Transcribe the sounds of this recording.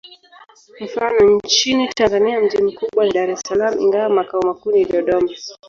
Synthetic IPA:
m̩fanɔɲt͡ʃinitanzaniam̩ʄim̩kuɓwanaɗaɾɛsalamuḭŋɡawamakaumakuniliɔɗɔma

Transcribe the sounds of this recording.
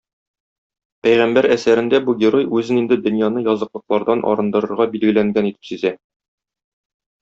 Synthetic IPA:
pæjʁæmbæɾæsæɾɘ̆nd̪æbuɡʲeɾo̞jʉzɘnind̪ɘd̪ɵ̆njɑnɤjɒzɤ̆qlˠɤ̆q̚lˠɑɾd̪ɑnʔɒ̰ɾɤ̆nd̪ɤ̆ɾɤ̆ɾʁɑbilɡɘ̆læŋɡænit̪ɘ̥psizæ

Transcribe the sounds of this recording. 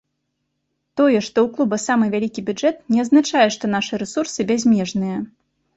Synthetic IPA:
t̪ɔjɛʂt̪ɔwklˠubɐsamɨvʲalʲikʲibʲud͡ʐɛt̪nʲɛɐd̪znat͡ʂajɛʂt̪ɔnaʂɨɾɛsursɨbʲazʲmʲɛʐnɨjɐ

